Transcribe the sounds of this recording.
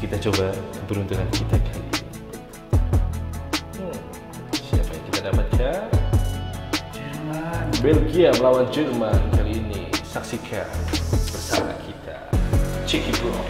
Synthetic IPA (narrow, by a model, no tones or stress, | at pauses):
kit̪at͡ʃobakəpəɾunt̪uŋankit̪akʰalḭi | siapajaŋkit̪adapat̪̚kʰa | d͡ʒmabɛlɡiabəlawand͡ʒɛrmankaliːnḭsaksikʰab̥ərsa̰na̰kʰit̪ʰa̰t͡ʃɛkibu